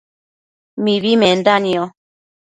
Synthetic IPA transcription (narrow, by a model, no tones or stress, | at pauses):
miβimɛn̩daniɔ